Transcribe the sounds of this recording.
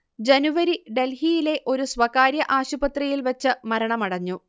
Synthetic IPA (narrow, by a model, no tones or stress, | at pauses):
d͡ʑenuʋɐɾiɖe̞lhijile̞ʔo̞ɾuswɐkaːɾjɐʔaːɕubɐt̪rijilʋɐt͡ɕːɨmɐɾɐɳɐmɐɽɐɲːu